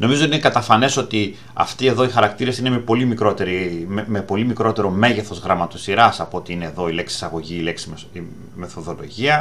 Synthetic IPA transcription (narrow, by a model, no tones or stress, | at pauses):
no̞mizot̪inekɐt̪ɐfɐne̞so̞t̪i | ɐ̰ft̪ie̞ðo̞ixɐɾɐkt̪iɾesineme̞po̞limikɾo̞t̪e̞ɾimepo̞limikɾo̞t̪e̞ɾo̞me̞ʝeθo̞zɣɾɐmɐt̪osiɾɐsɐpoot̪iine̞ːðo̞ile̞ksi̥sɐɣo̞ʝiːleksii | me̞θo̞ðo̞lo̞̰ʝiɐ